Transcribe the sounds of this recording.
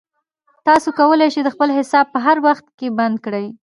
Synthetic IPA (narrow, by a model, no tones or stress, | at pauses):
t̪ɑsokawəlejʃed̪əxpəlɦɪsɑb̚pəɦaɾwaxt̪̚keband̪̚kɽəj